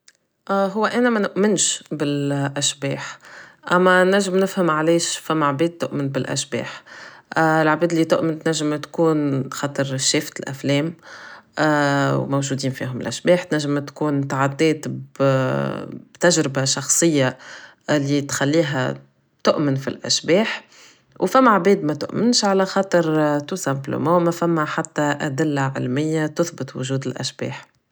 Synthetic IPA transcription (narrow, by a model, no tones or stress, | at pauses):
ʔɦʊwːæʔænæmænʊʔmɪnʃbɪlʔæʃbɛːħʔæmːænæʒːɪmnɪfhamʕalɛːʃfamːʕbɛːd̪̚t̪ːʊʔmɪnbɪlʔæ̰ʃbɛ̰ːħ | ɪlʕbiːd̪lːiːt̪ʊʔmɪnt̪næʒːɪmt̪kuːnxɑːt̪ˤɨɾʃɛːft̪lʔæ̰flɛːm | wmawʒuːd̪iːnfiːɦʊmɪ̰lʔæ̰ʃbɛːħt̪næʒːɪmt̪kuːnt̪aʕad̪ːɛːt̪b | bt̪æʒɾɪbaʃɑxsˤɨjːa | ɪlːit̪xalːiːɦæ̰ | t̪ʊʔmɪnfḭlʔæ̰ʃbɛːħ | wfæmːaʕbɛːd̪mæt̪ʊ̰ʔmɪnʃʕalæxɑːt̪ˤɨɾt̪ʊsæmblə̰mɑ̃ːmæfæmːaħat̪ːaʔæd̪ɪlːaʕɪlmɪjːat̪ʊθbɪt̪wʊ̰ʒuːd̪ɪlʔæ̰ʃb̥ɛ̰ːħ